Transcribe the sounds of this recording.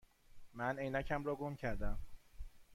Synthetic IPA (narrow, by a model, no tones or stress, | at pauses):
mænejnæcʰæmrɒːɡomcʰæɾd̪æm